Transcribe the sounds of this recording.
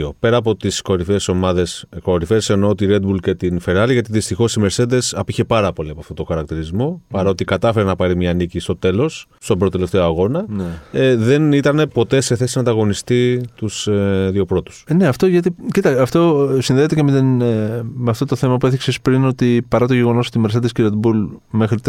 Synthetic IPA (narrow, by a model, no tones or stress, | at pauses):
o̞pe̞ɾɐːp̬o̞t̪isko̞ɾifeːso̞mɐðe̞sko̞ɾifeːse̞no̞t̪iɾe̞d̪̚bulce̞t̪infeɾɐliʝɐt̪iðist̪ixo̞simeɾsed̪e̞sɐpiçe̞pɐɾɐpo̞liɐpoɐft̪ot̪o̞xɐɾɐk̚t̪iɾizmo̞pɐɾɐot̪ikɐt̪ɐfe̞ɾenɐpɐɾimɲɐːnicist̪o̞t̪e̞lo̞s | st̪o̞bɾt̪ot̪eleft̪e̞oɐɣo̞nɐeðe̞nit̪ɐne̞po̞t̪e̞seθe̞sinɐd̪ɐɣo̞nist̪it̪useðio̞pɾo̞t̪u̥sne̞ɐft̪o̞ʝɐt̪icit̪ɐɐft̪o̞sinðet̪ecemet̪inmeɐft̪o̞t̪oθe̞mɐpueθiksespɾino̞t̪ipɐɾɐt̪o̞ʝeɣo̞no̞so̞t̪ime̞ɾsed̪esceɾed̪bulme̞xɾit̪